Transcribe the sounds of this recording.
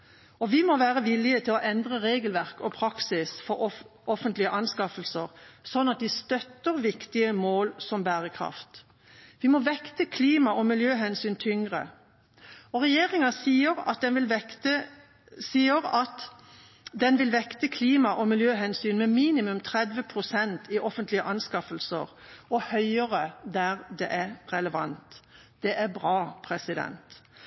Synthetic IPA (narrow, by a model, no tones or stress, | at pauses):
ɔʋɪmɔʋæːʁəʋɪlɪət̪ʰɪlɔʔɛnd̪ʁəʁeːɡəlʋæʁkɔpʰɾɑksɪsfɔɔɔfənt̪lɪəʔɑnskɑfəlsəʁsɔnːɑt̪̚d̪ɪst̪œt̪ːəʁʋɪkt̪ɪəmoːlsɔmbæːʁəkʰʁɑ̰ft̪ | ʋɪmɔʋɛkt̪əkʰliːmɑʔɔmɪljøːɦɛnsyːnt̪ʰʏŋʁə̰ | ɔʁɛjeːʁɪŋɑsiəʁɑ̰t̪̚d̪ɛnʋɪlɛt̪ə | siːəɾɑt̪ | d̪ɛnʋɪlʋɛkt̪əkʰliːmɑʔɔmɪljøːɦɛnsyːnmɛmiːnɪmʉmt̪ʰɾɛd̪ʋəpʰʁʊsɛnt̪ʰɪʔɔfənt̪lɪəʔɑnskɑfəlsə̰ʁɔhœʏəʁəd̪æʁd̪ɛʔæɾʁɛləʋɑ̰nt̪ | d̪̥ɛʔæʁbʁɑːpʰɾɛsɪd̪ɛ̰nt̪